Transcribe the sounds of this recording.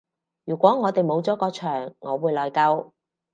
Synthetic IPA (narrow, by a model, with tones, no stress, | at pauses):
jyː˨˩kʷɔː˨˥ŋɔː˨˧t̪e˨jmo˨˧wt͡sɔː˨˥kɔː˧t͡ʃʰœː˨˩ŋːɔː˨˧wuː˨˧jlɔː˨˧jkɐ˧w